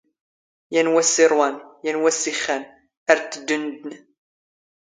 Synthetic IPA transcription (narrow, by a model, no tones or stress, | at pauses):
jænwæsːɪɾˤwanjænwæsːiχːæn | æɾt̪ːəd̪ːənd̪ən